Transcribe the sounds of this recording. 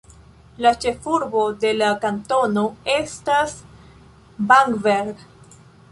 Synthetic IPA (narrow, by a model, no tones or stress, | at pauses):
lat͡ʃe̞fuɾbo̞de̞lakanto̞no̞e̞stas | baŋɡveɾɡ